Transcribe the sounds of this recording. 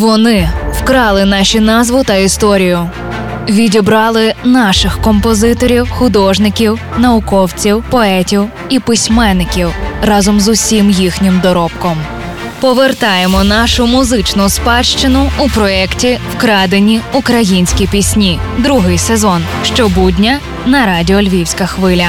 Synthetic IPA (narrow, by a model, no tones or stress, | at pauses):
ʋɔnɪwkɾɑlˠɪnɑʃinɑzʋʊt̪ɐist̪ɔɾʲijʊ | ʋʲidʲibɾɑlˠɪnɑʃɪxkɔmpɔzɪt̪ɔɾʲiwxʊd̪ɔʒnɪkʲiwnɐʊkɔwt͡sʲiwpɔɛtʲiw | ipɪsʲmɛnːɪkʲiwrɑzɔmzʊsʲimjixnʲɪmd̪ɔɾɔpkɔm | pɔʋert̪ɑjemɔnɑʃʊmʊzɪt͡ʃnʊspɑʃt͡ʃɪnʊʊpɾɔɛktʲiwkɾɑd̪enʲiʊkɾɐjinʲsʲkʲipʲisʲnʲid̪ɾuɦɪjsezɔnʃt͡ʃɔbudʲnʲɐ | nɐɾɑdʲiɔlʲʋʲiwsʲkɐxʋɪlʲɐ